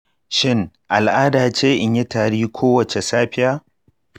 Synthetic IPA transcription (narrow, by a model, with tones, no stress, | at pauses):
ʃɪ˦ŋ | ʔa˨lʔaː˦daː˨t͡ʃeː˦ʔɪ˨ɲjɪ˦taː˨ɽiː˦kʷʰoː˦wɐ˨t͡ʃe˨saː˦ɸɪ˦jaː˦